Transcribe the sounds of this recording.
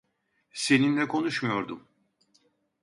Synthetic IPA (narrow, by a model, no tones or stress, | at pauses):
se̞ninlʲɛkʰo̞nuʃmujo̞ɾd̪um